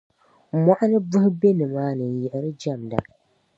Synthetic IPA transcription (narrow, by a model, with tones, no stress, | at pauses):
ma˨ʔa˦nɨ˦bʊ˦hʊ˦be˦nɨ˨maː˦nɨ˨n˨jɛ˨ʔɪ˨ɾɨ˦d͡ʒa˦˨mda̰˨